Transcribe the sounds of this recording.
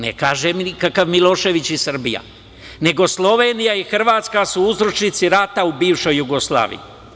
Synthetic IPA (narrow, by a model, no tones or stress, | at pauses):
nḛkaːʒemnikakaʋmilo̞ːʃe̞ʋit͡ɕisr̩bija̰ | ne̞ɡo̞slˠo̞ʋeːnijaixr̩ʋaːt̪skasuuzɾot͡ʃnit̪siɾat̪aubiːʋʃo̞jːuɡoslˠa̰ːʋḭjḭ